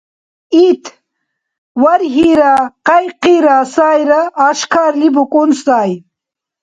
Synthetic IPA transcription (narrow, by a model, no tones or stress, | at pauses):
it̪ʰ | wɐɾɦiɾaqɐjqiɾaːsaːjɾɐːʃkʰaːɾlibukʼunsaːj